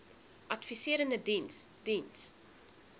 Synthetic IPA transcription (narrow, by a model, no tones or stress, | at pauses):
ʔɐtfisiəɾəndədinsd̥ins